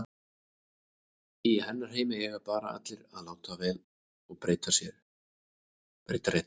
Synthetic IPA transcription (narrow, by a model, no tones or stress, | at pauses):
ihɛnːaɾ̥heːjmɪjɛɣaɾpaːɾaa̰t̪lɪɾaðlaːwt̪avɛːð | ɔɣpɾeːjt̪asjɛɾ | pɾḛːjt̪aɾeht̪